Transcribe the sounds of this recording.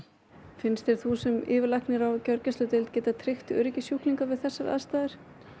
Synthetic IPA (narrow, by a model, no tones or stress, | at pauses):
fɪnst̪ɛɾ̥θusɛmɪːvɪɾlahknɪɾawcœɾcast̪lʏt̪ɪlt̪̚cɛːt̪at̪ʰɾɪxt̪ʏːɾɪcɪsjuhkliŋkavɪðθɛsːaɾa̰ðst̪aːðɪɾ̥